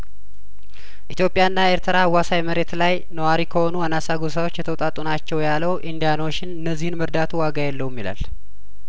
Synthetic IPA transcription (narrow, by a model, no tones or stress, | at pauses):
ʔit̪jo̞pʼjaɨnːae̞ɾt̪ʰəɾawasajməɾe̞t̪laj | nəwaɾikʰəho̞nuanasaɡos̬awot͡ʃːjɛt̪ʰəwt̪ʼat̪ʼunat͡ʃːɛwjaləwʔind̪ijano̞ʃːɪnɨnːəzːihɨnməɾd̪at̪ʰuwaɡajɛlːəwmːila̰l